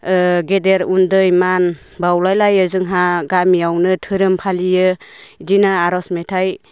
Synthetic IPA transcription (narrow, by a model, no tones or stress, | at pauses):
ɡedeɾundɯjman | bawlajlajɯzɯŋɦaɡamiawnɯtʰɯɾɯmpʰalijɯdinaaɾɔsmetʰaj